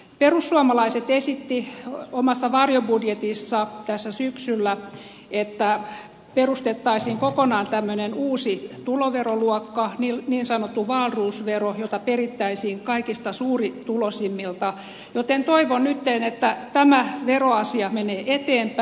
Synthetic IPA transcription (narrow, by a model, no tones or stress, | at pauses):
perusːuɑmɑlɑiset̪esit̪ːiomɑsːɑʋɑrjobudjet̪isːɑt̪æsːæsyksylːæ | et̪ːæ | perust̪et̪ːɑisiːŋkokonɑːnt̪æmːønenuːsit̪uloʋeroluɔkːɑniniːnsɑnot̪ːuʋɑlruːsʋerojot̪ɑperit̪ːæisiːŋkɑikist̪ɑsuːrit̪ulosimːilt̪ɑ | jot̪ent̪oiʋonnyt̪ːenet̪ːæt̪æmæʋeroɑsiɑmeneːʔet̪eːmpæ